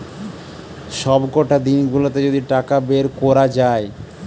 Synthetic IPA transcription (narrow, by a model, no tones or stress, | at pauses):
ʃɔbɡoʈad̪inɡulot̪ed͡ʑod̪iʈakabeɾkɔɾad͡ʑae